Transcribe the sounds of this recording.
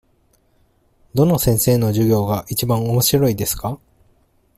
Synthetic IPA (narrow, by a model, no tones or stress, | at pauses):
d̪o̞no̞sẽ̞ɰ̃se̞ːno̞ʑɨɡʲo̞ːɡaʔit͡ɕibãɰ̃o̞mo̞ɕiɾo̞id̪e̞sɨ̥ka